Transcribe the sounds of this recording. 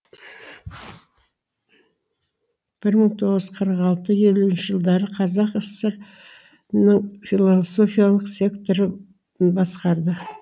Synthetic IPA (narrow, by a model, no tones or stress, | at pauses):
b̥ɪɾməɴt̪ʰo̞ʁəzəzqʰəɾqɑlˠt̪əje̞luɪnʃɪʒəlˠd̪ɑɾəqʰɑzɑqəsəɾ | nəɴfʲilˠoso̞fijalˠəqsʲe̞kt̪o̞ɾə | bɑsqɑɾd̪ə